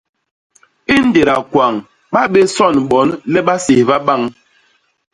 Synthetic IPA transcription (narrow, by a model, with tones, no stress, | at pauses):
i˦n̩˦de˨ɾa˨kwa˨ŋ | ɓa˦ɓe˦sɔ˦˨nɓɔ˨˦nːɛ˦ɓa˦si˨hva˦ɓa˦˨ŋ